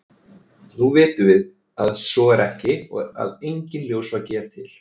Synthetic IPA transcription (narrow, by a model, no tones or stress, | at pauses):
nuvɪːt̪ʏvɪð | aðsɔɛɾɛhcɪɔ̰a̰ðejɲcɪnljowsvacɛːɾ̥t̪ʰɪl̥